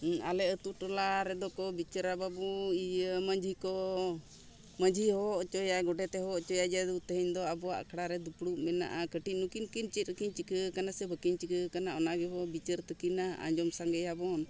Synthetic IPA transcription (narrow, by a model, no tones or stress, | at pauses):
alɛət̪uʈɔlaɾɛd̪ɔkɔbit͡ʃəɾababuiəməɲd͡ʒʱikɔ | məɲd͡ʒʱihɔʔt͡ʃɔjaɡɔɖɛt̪ɛɦɔʔt͡ʃɔjad͡ʒad̪ut̪əɦəɲd̪ɔabɔwa̰ʔkʰɽaɾɛd̪upɽuʔmɛna̰ʔakəʈic̚ˀnukinkint͡ʃit̪̚əkiɲt͡ʃikəkanasɛbəkiɲt͡ʃikəkanaɔnabɛbɔbit͡ʃəɾt̪əkinaa̰ɲd͡ʒɔmsaŋɡəjabɔn